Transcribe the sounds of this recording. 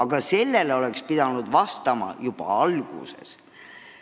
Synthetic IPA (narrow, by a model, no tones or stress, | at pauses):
ɑɡ̥ɑse̞lːe̞leo̞le̞kspid̪̥ɑnud̪̥vɑst̪ɑmɑ̰jub̥ɑ̰ɑlɡ̥ṵse̞̰s